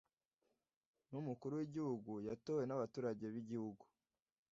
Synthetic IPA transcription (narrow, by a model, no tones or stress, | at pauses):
numukuɾuwiɟihuɡujatowe̞naβatuːɾaɟe̞βiɟihuɡu